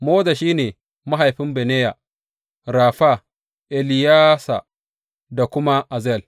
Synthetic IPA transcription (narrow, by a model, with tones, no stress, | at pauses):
moː˦da˨ʃiː˦neː˨ | ma˦ɦa˨jɸɪ˦mbe˨neː˦ja˨ | ɾaː˨ɸa˦ | ʔɛ˨lɪ˨jaː˦sa̰˨ | da˨kʷʊ˦ma˦ʔa˨zɛ˨l